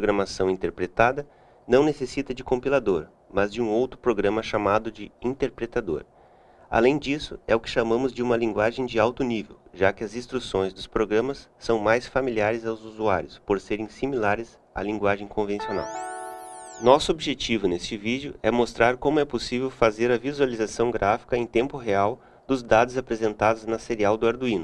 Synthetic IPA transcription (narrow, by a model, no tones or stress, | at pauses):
pɾoɡɾɐmasɐ̃w̃ĩnt̪eɾpɾet̪ad̪ɐ | nɐ̃w̃nesesit̪ɐd͡ʒɪkõmpilad̪oɾ | mɐzd͡ʒɪũowt̪ɾʊpɾoɡɾɐ̃mɐʃamad̪ʊd͡ʒɪĩt̪eɾpɾet̪ad̪o̰ɾ | a̰lẽj̃d͡ʒisʊɛʊkɪ̥ʃamɐ̃mʊzd͡ʒɪũmɐlĩŋɡwaʒẽj̃d͡ʒɪawt̪ʊnivḛwʒakɪɐzĩst̪ɾusõj̃zd̪ʊspɾoɡɾɐ̃mɐsːɐ̃w̃majsfamiliaɾɪzawzuzuaɾjʊspoɾseɾẽj̃similaɾɪs | a̰lĩŋɡwaʒẽj̃kõvẽsiona̰w | nɔsʊobʒet͡ʃivʊnest͡ʃɪvid͡ʒjʊɛmost̪ɾaɾkõmʊɛposivewfazeɾɐvizualizasɐ̃w̃ɡɾʔafi̥kɐẽj̃t̪ẽmpʊɦeaw | d̪ʊzd̪ad̪ʊzapɾezẽnt̪ad̪ʊznɐseɾiawd̪ʊaɾd̪uĩnʊ